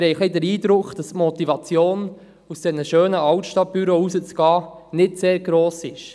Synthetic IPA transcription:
ɾhɛɪχlidəɾiːdɾʊkχd̥ɑsmɔt̪ivɑt͡sjoːn | usd̥ɛnəʃøːnəʔɑwtʃtɑt̚b̥yɾoːusət͡sɡ̥ɑː | nɪtseːɾɡɾoːsɪʃ

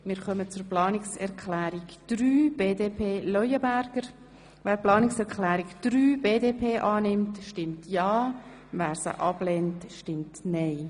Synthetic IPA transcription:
mɪːɾχœmət͡sʊɾplɑːnɪksɛɾkʰlæːɾikd̥ɾyːb̥eːdeːpʰeːlɔjəbæɾɡ̥əɾ | væːɾplɑːnɪksɛɾkʰlæːɾikd̥ɾyːb̥eːdeːpʰeːʔɑːnɪmtʃtɪmtʰjɑː | væːɾsə̰ʔɑb̥lɛntʃtɪmtneɪ

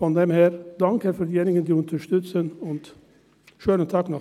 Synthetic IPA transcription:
fɔnd̪ɛmheːɾd̪ɑŋkhɛɾfɔɾd̪iːjeːnɪɡənd̪iːʊnt̪əɾʃt̪ʉt̪sənʊnt̪ | ʃøːnənt̪ʰɑːknɑ

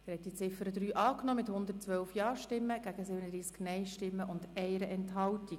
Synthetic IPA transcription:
æɾhɛtdit͡sɪfəɾəd̪ɾyːʔɑːknɔːmɪthʊnd̪ərt̚t͡sʋœlfjɑːɾʃtɪmːəɡ̥æɡ̥əsiːbənəd̪ɾiːsknɛɪʃtɪmːəʔʊndɛɪɾəʔɛntɦɑwti

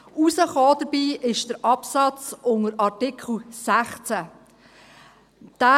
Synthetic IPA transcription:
usəχɔːd̥əɾbiːʔɪʃd̥əɾɑpsɑt͡sʔʊŋəɾɑɾtɪkχl̩sæχt͡sæ | d̥æ

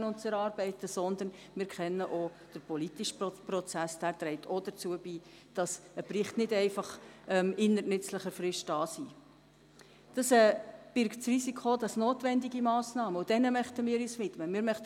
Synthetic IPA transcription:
nʊnt̚t͡sɛɾɑːɾbɛɪtəsɔnd̪ənmɪːɾkʰχɛnːəʔo | d̥əɾpɔlitiʃprɔt͡sæsd̥æːɾtɾɛɪtʰod̥ət͡suəbiː | d̥ɑsəprɪχtnɪdɛɪfɑχɛmɪnːəɾnʏt͡sləχəfrɪʃt̚d̥ɑːsiː | d̥ɑsɛb̥ɪɾktsrisikʰod̥ɑsnoːtʋɛndiɡimɑːsnɑːməʊd̥ɛnəmœχtəmiːɾysmɪtməmɪːɾmœχt

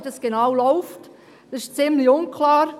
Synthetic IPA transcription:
dɑsɡ̥enaʊlɔʊft | d̥ɑsɪ̥ʃt͡sɪmlɪçʊnkʰlaːɾ

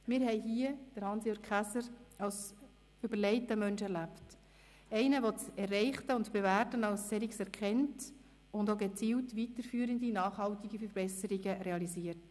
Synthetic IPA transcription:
mɪːɾhɛɪɦiəd̥əɾhɑnsjøːɾχæsəɾɑls | ybəɾlɛɪtəmœnʃɛɾlæpt | ɛɪnəʋɔtt͡sɛrːɛɪχtəʊntb̥evæɾtənɑlsːɛɾiksɛɾkʰɛnt | ʊndoɡet͡siːltʋitəɾfyːɾəndinɑːχhɑltiɡifəɾb̥ɛsəɾiɡəɾeɑliziːəɾt

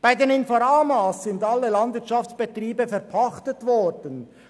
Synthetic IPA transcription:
b̥aɪdeːnɪnfoɾaːmaːssɪndɑlːəlɑndvɪɐtt͡ʃɑft͡sb̥etriːbəfɛʁpʰɑχtətvɔɾdən

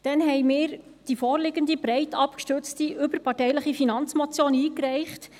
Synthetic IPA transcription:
d̥ɛnɦɛjmɪːɾ | d̥ifɔːrlɪɡənd̪ibɾɛɪtʰɑpkʃtɵɾt͡stiʔʏbəɾpɑrtɛɪjləχifinɑnt͡smot͡sjoːniːkrɛɪχt

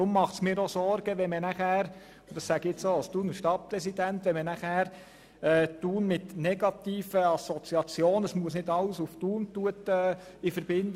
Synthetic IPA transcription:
ɾʊmːɑχsmiːɾosɔɾɡ̥əʋɛmənæχæːɾ | ʊnd̥ɑssæɡ̥əɪt͡soɑlst̪uːnəʃtɑt̚pɾɛsid̪ænt̪ʋɛmənæχæːɾ | ɛːt̪uːnmɪt̪nɛɡɑt̪iːfəɑsɔt͡siɑt͡sjoːnəsmuəsnɪdɑlsuftuːntuətɛːifəɾb̥ɪnd

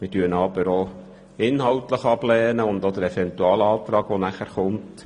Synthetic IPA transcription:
mɪtyənɑːbəɾo | ɪnɦɑltləχɑb̥lɛːnəʊnd̪od̪əɾɛfɛnt̪uɑːlɑːt̪ɾɑːɡʋonæχəɾχʊmt

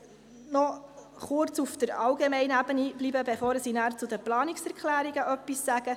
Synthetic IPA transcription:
nɔ | χʊɾt͡suft̪əɾɑwɡemɛɪnæbənib̥libəbefɔːɾsinæːɾt͡sud̪əplɑːniksɛɾkχlæːɾiɡəʔœpːisːæɡ̥ə

